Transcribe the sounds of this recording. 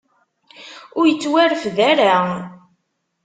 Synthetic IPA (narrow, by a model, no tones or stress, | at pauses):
ʊɾjət͡sːwæɾəfðæɾa